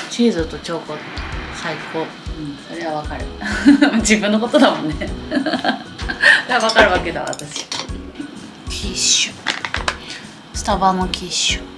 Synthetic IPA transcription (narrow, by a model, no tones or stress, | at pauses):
t͡ɕiːzɨt̪o̞t͡ɕo̞ːkosaikoː | ɯ̟̃ɴso̞ɾe̞βaβakaɾɯ̟mad͡ʑibɯ̟̃nːoko̞t̪o̞d̪amõ̞nːe | eaβakaɾɯ̟βake̞d̪a̰βa̰t̪aɕi̥ | kʲʰiɕɨ̥ | st̪abamɯkʲiɕo̥